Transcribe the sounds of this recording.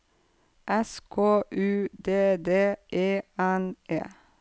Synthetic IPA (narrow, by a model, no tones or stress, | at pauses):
ʔɛskʰoːʔʉːd̪eːd̪eːʔeːænʔḛː